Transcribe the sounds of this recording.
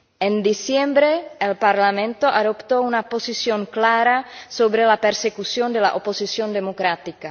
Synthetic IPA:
end̪isjembɾeelpaɾlamẽnt̪oʔaðopt̪ounaposisjoŋklaɾasoβɾelapeɾsekusjond̪ela̰ʔoposisjond̪emokɾat̪ika

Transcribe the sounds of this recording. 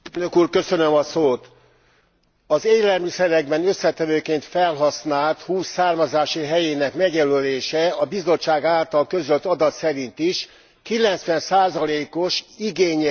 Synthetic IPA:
nøkuːrkø̞sø̞nømɒsoːt̪ | ɒzeːlɛlmisɛɾɛɡbɛnø̞sːɛt̪ɛvøːkeːnt̪fɛlɦɒsnaːlt̪huːsaːrmɒzaːʃiɦɛjeːnɛkmɛɡjɛløleːʃɛɒbizo̞t͡ʃːaːɡaːlt̪ɒlkø̞zølt̪ɒd̪ɒt̪sɛɾint̪iʃ | kilɛnt̪sʋɛnsaːzɒleːko̞ʃiɡeːɲ

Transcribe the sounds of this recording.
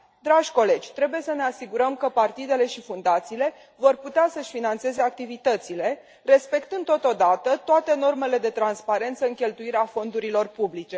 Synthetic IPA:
d̪ɾaʒʲko̞le̞d͡ʒʲt̪ɾe̞buje̞səneasiɡuɾəmkəpart̪id̪e̞le̞ʃifund̪at̪siːle̞ | vo̞rput̪easəʃʲfinant̪se̞zeak̚t̪ivit̪ət̪sile̞ | re̞spe̞kt̪ɨnd̪ot̪o̞d̪at̪ət̪oat̪e̞no̞rme̞le̞d̪e̞t̪ɾanspaɾe̞nt̪səɨŋkʲe̞lt̪uiɾeafo̞nd̪uɾilo̞rpublit͡ʃe̞

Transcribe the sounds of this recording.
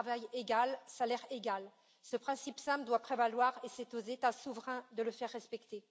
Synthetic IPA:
avajeɡalsalɛʁeɡʲal | səpχɛ̃sipsɛ̃pd̪wapχevalwaʁesɛt̪ozet̪asuvʁɛ̃d̪ələfɛʁːɛspɛkt̪e

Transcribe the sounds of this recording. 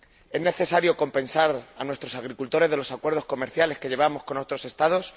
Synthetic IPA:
e̞zne̞θe̞saɾjo̞ko̞mpẽ̞nsaɾanwe̞st̪ɾo̞saɣ̞ɾikult̪o̞ɾeðe̞lo̞sakwe̞ɾð̞osko̞me̞ɾθjale̞ske̞ʝe̞β̞amo̞sko̞no̞t̪ɾo̞se̞st̪aðo̞s

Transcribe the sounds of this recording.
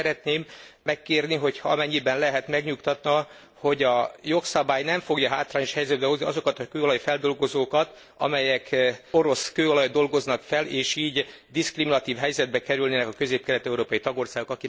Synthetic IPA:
ɛɾɛt̪neːmːɛkːeːrniɦo̞chɒɒ̰mɛɲːibɛnlɛɦɛt̪mɛɡɲukt̪ɒt̪nɒ | ho̞ɟɒjo̞ksɒbaːjnɛɱfo̞ɡjɒɦaːt̪raːɲo̞ʃhɛjzɛd̪bɛɦo̞zniɒzo̞kɒt̪ɒkøːolɒjifɛld̪o̞lɡo̞zoːkɒt̪ | ɒ̰mɛjɛko̞ɾo̞skøːolɒjd̪o̞lɡo̞znɒkfɛleːʃiːɟ | d̪iskriminɒt̪iːvɦɛjzɛd̪̚bɛkɛɾylneːnɛkɒkø̞zeːp̚kɛlɛt̪ɛuɾoːpɒjit̪ɒɡo̞rsaːɡo̞kɒki

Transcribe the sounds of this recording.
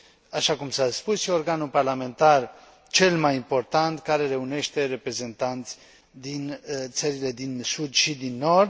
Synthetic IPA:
aʃakumsaspusʃiorɡanuparlamẽ̞nt̪ar | t͡ʃe̞lmajimpo̞rt̪ant̪kaɾe̞ɾe̞une̞ʃt̪e̞ɾe̞pɾe̞ze̞nt̪ant̪sʲ | d̪int̪səɾile̞d̪insud̪ʃid̪inːo̞rd̪

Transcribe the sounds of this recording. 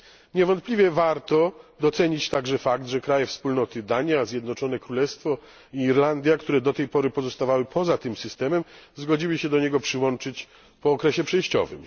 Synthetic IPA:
ɲɛvɔnt̪plʲivʲjɛvaɾt̪ɔd̪ɔt̪sɛɲit͡ɕt̪aɡʐɛfaɡd̪ʐɛkɾajɛfspulnɔt̪ɘd̪aɲazʲjɛd̪nɔt͡ʂɔnɛkɾulɛst̪fɔ | iiɾland̪ʲjakt̪uɾɛd̪ɔt̪ɛjpɔɾɘpɔzɔst̪avawɘpʰɔzat̪ɘmsɘst̪ɛmɛmzɡɔd͡ʑiwɘɕɛd̪ɔɲɛɡɔpʂɘwɔnt͡ʂɘt͡ɕ | pɔːkɾɛɕɛpʂɛjɕt͡ɕɔ̰vɘ̰m

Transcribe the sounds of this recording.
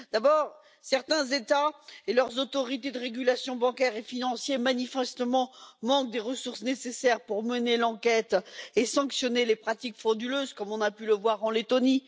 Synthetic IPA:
d̪̥abɔʁ | sɛʁt̪ɛ̃zet̪aelœʁzot̪ɔʁit̪ed̪əʁeɡʲylasjɔ̃bɑ̃kʲɛʁefinɑ̃sjemanifɛst̪əmɑ̃mɑ̃k̚d̪eʁəsuʁsnesesɛʁpuʁmənelɑ̃kɛt̪esɑ̃ksjɔnelepχat̪ikfɔd̪yløzkɔmɔ̃napyləvwaʁɑ̃let̪ɔni

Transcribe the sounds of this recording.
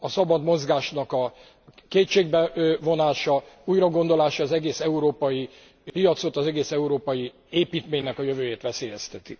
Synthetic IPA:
ɒsɒbɒd̪mo̞zɡaːʃnɒkɒ | keːtt͡ʃeːɡbɛvo̞naːʃɒuːjrɒɡo̞nd̪o̞laːʃɒːzɛɡeːsɛuɾoːpɒji | pijɒt̪so̞t̪ɒzɛɡeːsɛuɾoːpɒji | eːpiːt̪meːɲnɛkɒjøvøːjeːt̪ʋɛseːjɛst̪ɛt̪ḭ

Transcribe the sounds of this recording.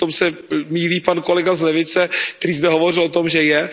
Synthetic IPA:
t̪omsɛmiːliːpanko̞lɛɡazlɛvɪt͡sɛkt̪ɛɾiːzd̪ɛɦovo̞r̝ɪlot̪o̞mʒɛjɛ

